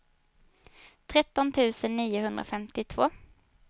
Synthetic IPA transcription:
t̪ʰʁɛt̪ɔnt̪ʰʉːsənniːəhʉnd̪ʁə̰ːfɛmt̪ɪt̪ʰvoː

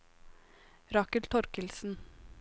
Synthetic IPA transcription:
ɾɑkəlt̪ʰɔɾkəlsn̩

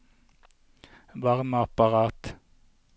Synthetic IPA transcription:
ʋɑʁməɑpɑʁɑːt̪

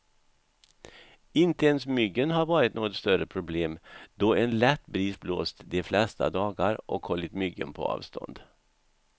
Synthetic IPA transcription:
ɪnt̪əɛnsmʏɡːənɦaɾvɑːɾɪt̪noːɡɔt̪st̪œɾəpʰɾʊbleːmd̪̥ɔɛnlɛt̪ːbɾiːsbloːst̪d̪ɛflɛst̪a̰d̪ɑːɡaɾʔɔkhɔlːɪt̪mʏɡːə̰npʰɔ̰ɑ̰ːvst̪ʰɔ̰nd̪̥

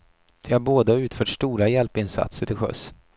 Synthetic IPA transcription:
d̪̥ɛhaɾboːd̪aʉ̟ːt̪fœːʈʂt̪uːɾajɛlpɪnsa̰t̪səʈʰɪlɧœ̰s

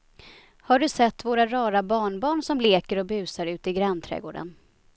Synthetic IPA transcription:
haɖɵsɛt̪ːvoːɾaɾɑːɾabɑːɳbɑːɳsɔmleːkəɾɔbʉ̟ːsaɾʉ̟ːt̪ɪɡɾɛnt̪ʰɾɛ̰ːɡo̰ːɖə̰n

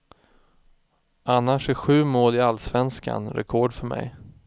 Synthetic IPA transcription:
anːaʂæɧʉ̟ːmoːlɪalːsvɛnska̰nɾɛ̰kʰɔɖfœɾmɛ̰j

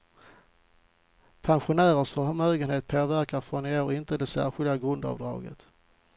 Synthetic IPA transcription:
pʰanɧʊnæːɾəʂɔɦaɾmœːɡənheːt̪̚pʰoːvæɾkafɾɔneːɾɪnt̪əd̪ɛsæ̰ːɾɧɪld̪aɡɾɵnd̪ɑ̰ːvd̪ɾɑ̰ːɡə̰t̪

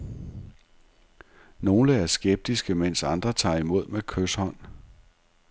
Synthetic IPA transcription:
no̝ːləæɐsɡ̥eb̥̚d̥isɡ̥əmen̰sɑ̈nd̥ʁɐt͡sʰɑ̰̈ːimo̝ð̞̰ˠmekʰøshɒ̽n̰

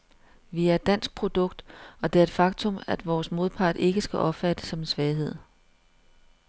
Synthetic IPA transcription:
ʋiæɐed̥ːæn̰sɡ̥̚pʰʁo̝d̥ɔ̽ɡ̥̚d̥ɒ̽d̥e̝æɐed̥fɑ̈ɡ̥t͡sʰɔ̽mæd̥ʋɒːsmo̝ð̞ˠpʰɑ̰̈ːd̥e̝ɡ̥əsɡ̥æʔɒ̽b̥fæd̥ə̥sɒ̽mensʋɛːɪɦe̝ð̞̰ˠ

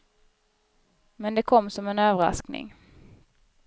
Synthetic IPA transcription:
mɛnd̪ɛkʰɔmːsɔmɛnøːvəɾa̰sknɪ̰ŋ

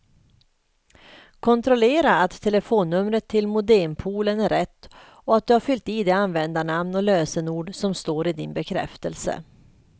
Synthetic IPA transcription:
kʰɔnt̪ɾɔleːɾaːt̪ʰːɛləfoːnːɵmɾət̪ʰːɪlmʊd̪ɛmpʰuːlənæɾɛt̪ː | ɔat̪̚d̪ɵhaɾfʏlt̪ɪd̪ɛanvɛnd̪anamnɔløːsənuːɖsɔmst̪oːɾɪd̪ɪnbɛkʰɾɛ̰ft̪ə̰lsə̰

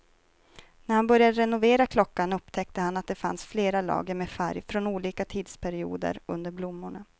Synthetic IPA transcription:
næɾhanbœɾjad̪əɾɛnʊveːɾakʰlɔkːanɵpːt̪ʰɛk̚t̪əhanat̪̚d̪ɛfa̰nsfleːɾalɑ̰ːɡəɾmɛfæ̰ɾjfɾɔnuːliːkat̪ʰiːd̪spʰæɾɪṵːd̪ə̰ɾɵ̰nd̪əɾblʊmːʊɳa

